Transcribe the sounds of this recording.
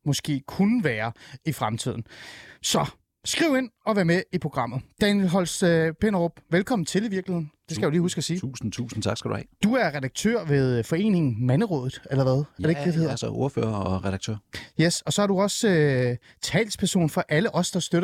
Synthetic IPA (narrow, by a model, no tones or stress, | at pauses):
mɒ̽sɡ̥e̝̰ːkʰunəʋæːɐifʁamt͡sʰið̞̰ˠn̩sɒ̽ | sɡ̥ʁiʊe̝n̰ɒ̽ʋæːɐmeipʰo̝ɡ̥ʁɑ̈m̰ð̩ˠd̥ɛnjelɦɒ̽lspʰenɐʁob̥ʋelkʰɒ̽mn̩t͡sʰe̝liʋiɐɡ̥lihe̝ð̰ˠn̩d̥e̝skæjaliːhusɡ̥ɒsiːṵːsn̩t͡sʰṵːsn̩t͡sʰɑ̈ɡ̥sɡ̥ɾ̥ṵhɛ̰d̥uæɐʁɛd̥ɑ̈ɡ̥̚t͡sʰø̰ɐ̰ʋe̝ð̞ˠfɒ̽e̝̰ːne̝ŋn̩mænəʁɔ̰̽ːðˠð̩ˠelɐʋæð̞ˠæɐdeɡ̥d̥ed̥heð̰ˠɐsɒʔoɐfø̰ːɐɒʁɛɾ̥ɑ̈ɡ̥̚t͡sʰø̰ɐ̰jesɒ̽sɒ̽æɐd̥uɒ̽sø | t͡sʰɛ̰ːlspʰæɐso̝̰ːnfɒ̽ʔæləʔɒ̽sd̥ɑ̈sd̥øɾ